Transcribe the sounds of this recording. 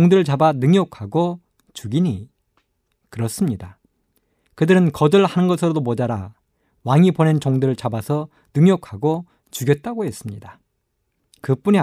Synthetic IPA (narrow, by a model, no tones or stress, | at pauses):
oŋdɯɾɯɭt͡ɕabanɯŋɲjʌkʰaɡo | t͡ɕuɡiɲi | kɯɾʌs͈ɯmɲida | kɯdɯɾɯnkʌdɯɭhanɯnɡʌsʰɯɾodomod͡ʑaɾa | waŋipone̞nt͡ɕoŋdɯɾɯɭt͡ɕabasʰʌ | nɯŋjʌkʰaɡo | t͡ɕuɡjʌt̚t͈aɡoɦe̞s͈ɯmɲida | kɯp͈uɲi